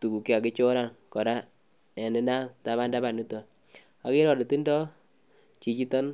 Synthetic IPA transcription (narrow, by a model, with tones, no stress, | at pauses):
tu˨ku˨ki˦a˨kɪ˦t͡ʃʊ˦ɾa˦˨nkɔ˨ɾa˦ | ɛ˨nɪ˦na˦ta˦βa˦nda˦ba˨nu˦tɔ˨ | a˨kɪ˦ɾɔ˨dɔ˨ti˦ndɔ˦ | t͡ʃi˨t͡ʃi˦tɔ˦n